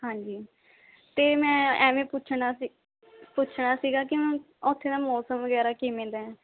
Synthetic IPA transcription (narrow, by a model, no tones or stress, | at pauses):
hãːɲd͡ʒiː | t̪eːmɛ̃ːɛːʋẽːpʊt͡ʃʰɳaː | pʊt͡ʃʰɽaːsiːɡaːk̬ɪmɛ̃ː | ɔt̪ʰːeːd̪aːmɔːsəmʋəɡɛːɾaːkiːmẽːd̪ɛɛ̃ː